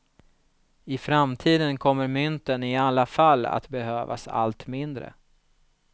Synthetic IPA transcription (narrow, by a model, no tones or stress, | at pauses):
ɪfɾamt̪ʰiːd̪ənkʰɔmːəɾmʏnt̪ənɪalːafalːa̰t̪bɛhøːva̰sa̰lt̪mɪnd̪ɾə̰